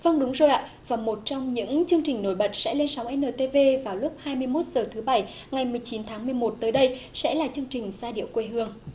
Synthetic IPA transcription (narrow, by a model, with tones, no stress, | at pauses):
və˧ŋɗʊ˨˦ŋ͡mzo˨˩jʔa̰ː˧˨ | vaː˨˩mo˨˩t̚t͡ɕɔ˧wŋ͡mɲɨ̰˧˥ŋt͡ɕɨ˧əŋt͡ɕï˨˩ŋno̰˧˩jɓə˨˩t̚sɛ̰˧˥le˧nsa˨˦wʔɛ˧nəː˨˩t̪e˧ve˧vaː˨˩wlʊ˦˥p̚haː˧jmɨ˧əjmo˦˥t̚z̥əː˨˩t̪ʰɨ˨˦ɓa˨˧˩j | ŋa˨˩jmɨ˨˩əjt͡ɕi˨˦nt̪ʰaː˨˦ŋmɨ˨˩jmo˨˩t̚t̪əː˨˦jɗə˧jsɛ̰˧˥laː˨˩t͡ɕɨ˧əŋt͡ɕï˨˩ŋ̟zaː˧ɗḭ˧˨əwkwe˧ɦɨ˧əŋ